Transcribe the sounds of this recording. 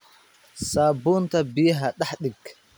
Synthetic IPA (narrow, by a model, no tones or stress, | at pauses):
saːbʊːnt̪ʰɐbɪjɐɦɐɗɐħɗɪɡ